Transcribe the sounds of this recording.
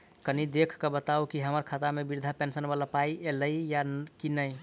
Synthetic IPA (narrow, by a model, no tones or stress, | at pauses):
kənid̪ekʰkəbət̪aukiɦəməɾkʰat̪amebiɾd̪ʱapensənbalapaieləijakinəj